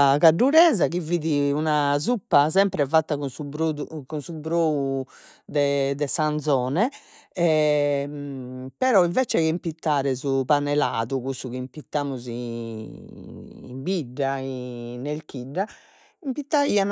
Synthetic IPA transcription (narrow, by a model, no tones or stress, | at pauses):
kaɖːuɾɛːzakiviðiunazupːasɛmpɾɛvat̪ːakunsubɾoðukunsubɾou | d̪ɛd̪ɛsand̪zɔːnɛɛ | pɛɾɔiɱvɛt͡ʃɛɛimpit̪ːaːɾɛzupanɛla̰ːðukusukimpit̪ːaːmuzi | mbiɖːainelkiɖːa | impit̪ːaian